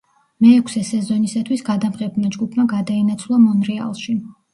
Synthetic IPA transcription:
mɛːkʷʰsɛsɛzɔnisat̪ʰwisɡad̪amʁɛbmad͡ʒɡupʰmaɡad̪aɛnat̪sʰlˠamɔnɾɛa̰lˠʃi

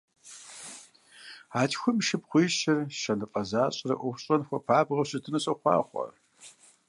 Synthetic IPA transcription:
aːtʰxʷʊmʃɪpχʷiːʃɐrʃɐnɨqʼɐzaːɕʼɪrɐ̰ʔʷʊxɕʼɐnxʷɔpʰaːbʁɐɕɪtʰɨnɨɕʼɐχʷɑ̰ːχʷɔ̰

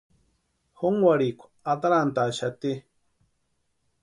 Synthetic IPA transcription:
hoŋwaɾikʷa | at̪aɾant̪aʃat̪i

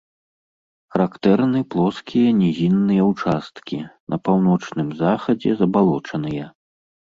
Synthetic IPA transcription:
xɐɾakt̪ɛrnɨplˠɔskʲijɐnʲɛzʲinːɨjɐwt͡ʂast̪kʲinʔɐpawn̪ɔt͡ʂnɨmzaxɐd͡zʲɛzɐbalˠɔt͡ʂɐnɨjɐ

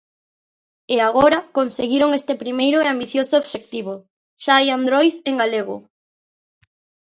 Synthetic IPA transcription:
eaɣoɾakonseɣiɾoŋest̪epɾimejɾʊeambiθjosooβʃekt̪iβ̞o | ʃaajand̪ɾojðeŋɡaleɣʊ̰

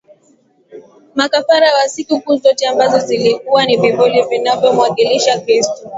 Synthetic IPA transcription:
makafaɾawasikukuːzɔtɛambazɔzilikuwanivɛbɔlɔvinavjɔmwakiliʃakɾistɔ

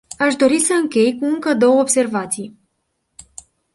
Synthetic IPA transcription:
aʃd̪o̞ɾisəɨŋkʲe̞jkuɨŋkəd̪o̞wəobse̞rvat̪sij

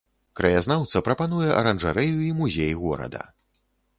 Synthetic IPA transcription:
kɾɐjaznawt̪sɐpɾɐpanujɛʔɐ̰ɾɐnʐaɾɛjuimuzʲejɣɔɾɐ̰d̪ɐ̰

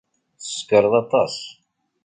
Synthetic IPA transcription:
θə̥skəɾˤəðˤɑt̪ˤɑs

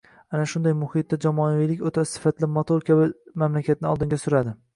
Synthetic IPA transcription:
anaʃʊnd̪ajmʊhɪt̪̚ːad͡ʒamɒavijlɪkʲot̪ʰassɪ̥fat̪lɪmot̪ʰoɾkʲʰabɪmamlakʲʰat̪̚nɪɒlˠd̪ɪŋɡʲasʊɾad̪ɪ

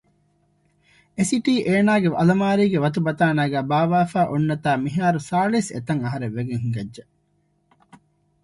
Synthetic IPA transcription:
esiʈiːʔeːnaːɡeɐ̰lɐmaːɾiːɡeʋɐt̪̬ubɐt̪aːnaːɡæːbaːʋaːfaːʔonːɐt̪aːmiɦaːɾusaːlisḛt̪ɐŋɐɦɐɾeʋʋeɡeŋɦuŋɡɐdʒɐ

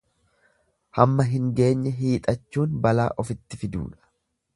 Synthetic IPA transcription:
hɐmːɐɦɪŋɡe̞ːɲːɛɦiːt̪ʼɐt͡ʃːuːnbɐla̰ːʔɔfɪt̪ːɪfɪd̪ṵːᶑɐ̥

